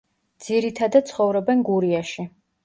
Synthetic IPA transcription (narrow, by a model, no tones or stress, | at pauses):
d̪z̥iɾit̪ʰad̪at̪̚sʰχɔvɾɔbɛnɡuɾiaʃi